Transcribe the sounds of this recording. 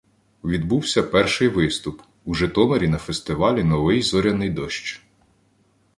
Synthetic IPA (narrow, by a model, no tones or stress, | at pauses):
ʋʲid̪buwsʲɐpɛrʃɪjʋɪst̪ʊp | uʒɛt̪ɔmeɾʲinɐfest̪ɪʋɑlʲinɔʋɪjzɔɾʲɐnɪjd̪ɔʃt͡ʃ